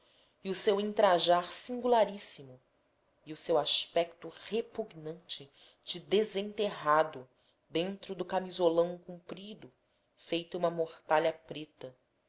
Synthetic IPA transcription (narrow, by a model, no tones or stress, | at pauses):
iʊsewĩnt̪ɾaʒaɾsĩŋɡulaɾisimʊ | iʊsewaʃpɛk̚t̪ʊhepuɡnɐ̃nt͡ʃɪ | d͡ʒɪd̪ezẽnt̪eɦad̪ʊ | d̪ẽnt̪ɾʊd̪ʊkamizolɐ̃w̃kũmpɾid̪ʊ | fejt̪ũmɐmoχt̪aʎɐpɾet̪ɐ